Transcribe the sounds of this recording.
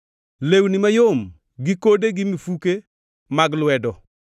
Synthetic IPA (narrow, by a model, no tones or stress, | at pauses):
lewnimajom | ɡikodeɡɪmifuke | maɡlwɛdɔ